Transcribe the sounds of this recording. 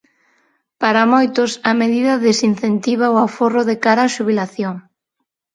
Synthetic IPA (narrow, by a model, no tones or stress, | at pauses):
paɾamojt̪ʊsɐmeðiðɐðesin̟θent̪iβaʊaforoðekaɾaːʃuβ̞ilaθjoŋ